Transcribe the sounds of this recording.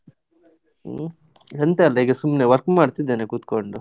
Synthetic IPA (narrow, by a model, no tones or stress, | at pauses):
ɐnt̪eɐlːɐiːɡɐsumːneʋɐɾkmaːɽt̪id̪ːenekuːt̪koɳɖu